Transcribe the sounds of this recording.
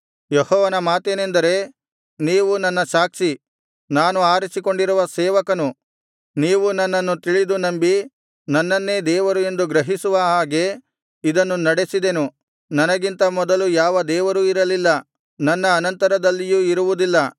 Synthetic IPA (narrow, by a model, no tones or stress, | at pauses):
jehɔːʋɐnɐmaːt̪ene̞nd̪ɐɾe̞ | niːʋunɐnːɐʃaːkʂi | naːnuaːɾisiko̞ɳɖiɾuʋɐsɛːʋɐkɐnu | niːʋunɐnːɐnːut̪iɭid̪unɐmbi | nɐnːɐnːe̞ːd̪ɛːʋɐɾue̞nd̪uɡɾɐɦisuʋɐɦaːɡe̞ | id̪ɐnːunɐɽe̞sid̪enu | nɐnɐɡint̪ɐmɔd̪ɐlujaːʋɐd̪ɛːʋɐɾuiɾɐlilːɐ | nɐnːɐːnɐnt̪ɐɾɐd̪ɐlːijuːiɾuʋud̪ilːɐ